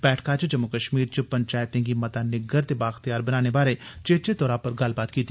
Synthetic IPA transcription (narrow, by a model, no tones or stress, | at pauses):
bɛːʈʰkat͡ʃd͡ʒəmːʊkəʃmiːɾt͡ʃəpəɲt͡ʃaːjt̪ẽɡimɐt̪anɪɡəɾt̪ebaːxt̪ijaːɾbɐnaːnebaːɾet͡ʃeːt͡ʃet̪ɔːɾapəɾɡɐlbaːt̪kiːt̪i